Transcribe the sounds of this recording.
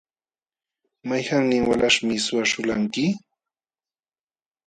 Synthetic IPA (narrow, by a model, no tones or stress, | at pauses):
majhaŋnɪŋwa̰laʂmɪsʊaʃʊlaŋkɪ